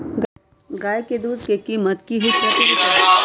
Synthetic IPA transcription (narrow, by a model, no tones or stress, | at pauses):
ɡ | ɡaːjked̪uːd̪kekiːmət̪kiɦɪsat̪ia